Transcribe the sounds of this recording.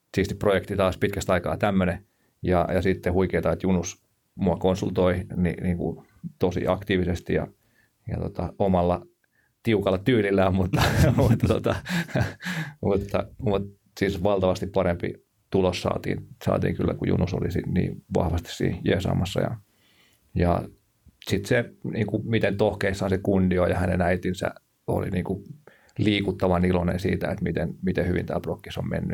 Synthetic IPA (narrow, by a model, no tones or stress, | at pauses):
siːst̪i̥pprojekt̪it̪ɑːspit̪kæst̪ɑikɑ̰ːt̪æmːøne | jɑjɑsit̪ːehuikeit̪ɑet̪junus | muɑkonsult̪oinḭniːŋkṵ | t̪osḭɑkt̪iːʋisest̪ijɑ̰ | jɑ̰t̪o̰t̪ɑomɑlːɑ | t̪iukɑlːɑt̪yːlilːæːmmut̪ːɑmut̪ːɑt̪ot̪ɑ | mut̪ːɑmut̪ | sisʋɑlt̪ɑʋɑst̪ippɑɾempḭ | t̪ulossɑ̰ːt̪ḭːnsɑ̰ːt̪ḭːŋkylːækujṵnuso̰lisinnḭːʋɑ̰hʋɑst̪i̥ssḭːhjiesɑ̰ːmɑsːɑ̰jɑ̰ | jɑ̰ | sit̪seniːŋkumit̪ent̪ohkeisːhɑnsekundiojɑhænenæit̪insæ̰ | o̰lḭniːŋku | liːkut̪ːɑʋɑnilonḛnsiːt̪æet̪mit̪enmit̪ehyʋḭnt̪æːlprokːisommḛnːy